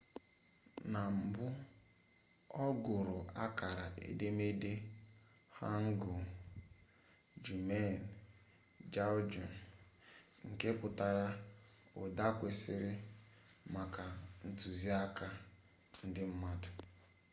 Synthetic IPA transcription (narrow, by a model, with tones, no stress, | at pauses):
na˨m̩˨bʊ˦ | ɔ˦ɡʊ˨ɾʊ˨a˦ka˨ɾa˨ʔḛ˨de˦me˦de˦ | ha˦ŋ̩˦ɡʊ˨ | d͡ʒu˨me˦˨n˨ | d͡ʒa˦d͡ʒɔ˨n | ŋ̩˨ke˦pʊ˨ta˦ɾa˦ | ʊ̰˨da˦kʷe˨sɪ˦ɾɪ˦ | ma˨ka˨n̩˨tu˨zi˦a˦ka˦ | n̩˦dɪ˦m̩˦ma˦dʊ˨